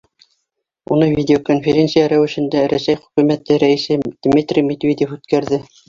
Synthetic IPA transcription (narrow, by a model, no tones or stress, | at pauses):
unɤvʲidʲeokonfʲeɾʲensɨjaɾæwɘ̆ʃɘ̆nd̪æɾæsæjχɵ̆kʉmæt̪ːɘɾæisɘd̪̥ʲmʲit̪rʲimʲed̪ʲvʲedʲɪfʉt̪kæɾðɘ